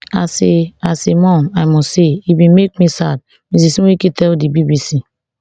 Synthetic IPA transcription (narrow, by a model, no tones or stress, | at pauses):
a̰seasemɔ̃najmɔsseibĩmek̚misad̚ | mis̬isiekitɛldibibisi